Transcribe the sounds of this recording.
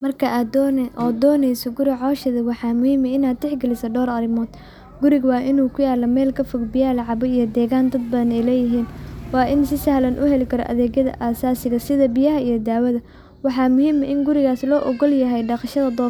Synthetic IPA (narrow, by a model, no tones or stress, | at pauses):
mɐrkʰɐʔaːd̪ɔnʔɔːd̪ɔːnɛjsɔɡʊɾɪʕɔːʃɐðɐwɑħɑːmʊhiːmɐɪnaːd̪t̪ɛħɡɐlɪsɐɖɔːɾɐɾɪmɔːd̪̥ | ɡʊɾɪɣwɑːʔɪnuːkʰʊjaːlːɐmɛːlkʰɐfɔɡbɪjaːlɐʕɑβɔijɞd̪ɛːɣaːnd̪ɐd̪̚bɐnɛjlɛːjɪɦiːnwɑːʔɪnsɪsɐhlɐnʔʊɦɛlɪkʰɐɾɔ̰ʔɐ̰ðɛːɣjɐðɐ̰ʔaːsaːsɪɣɐsɪðɐbɪjɐɦɐijɞd̪aːwɐðɐ | wɑħɑːmʊhiːmɐɪnɡʊɾɪɣaːslɔːʔɔɣɔljɐɦɛjɖɑqʃɐðɐd̪ɔː